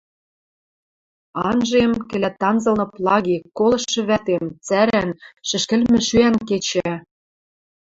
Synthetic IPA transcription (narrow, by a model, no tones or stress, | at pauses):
ɑnʒemkɘ̆lʲæt̪ːɑnzɤ̆lnɤ̆plˠɑɣikolˠɤ̆ʃːɤ̆βæt̪emt͡sæɾænʃɘ̆ʃkɘ̆lmɘ̆ʃyænket͡ɕæ